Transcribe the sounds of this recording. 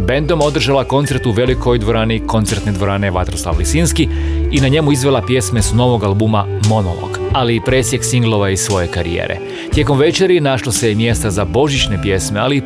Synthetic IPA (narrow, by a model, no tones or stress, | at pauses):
be̞nd̪o̞mo̞d̪r̩ʒalako̞nt̪se̞ɾt̪uʋe̞likʰo̞jd̪ʋo̞ɾaːniko̞nt̪e̞ɾt̪ne̞d̪ʋo̞ɾaːne̞ʋat̪ɾoslˠa̰ʋlisinskiinaɲe̞muizʋe̞lˠapje̞sme̞sno̞ʋo̞ɡalˠbumamo̞no̞̰lˠo̞̰ɡ̥ | aliːpɾe̞ːsjeɡsiŋɡlˠo̞ʋaisʋo̞je̞kaɾḭjḛːɾḛ | t̪je̞ko̞mʋet͡ʃeɾinaʃlˠose̞jemje̞st̪azabo̞ʒit͡ɕne̞pje̞sme̞ali